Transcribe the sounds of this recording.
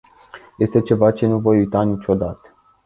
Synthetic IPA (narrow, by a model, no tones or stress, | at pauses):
je̞st̪e̞t͡ʃe̞vat͡ʃe̞nuvo̞jujt̪anit͡ʃʲo̞d̪at̪ə̥